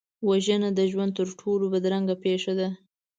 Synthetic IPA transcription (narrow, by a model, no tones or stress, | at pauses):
waʒənad̪əʒwand̪̚t̪əɾʈʰolobəd̪ɾaŋɡapeʂad̪a